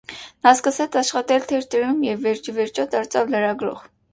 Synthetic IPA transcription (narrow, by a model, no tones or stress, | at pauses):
nɑskəsɛt͡sʰɑʃχɑt̪ɛlt̪ʰɛɾt̪ɛɾumjɛvːɛɾt͡ʃʰivɛɾt͡ʃʰɔd̪ɑɾt͡sʰɑvləɾɑɡɾɔ̰ʁ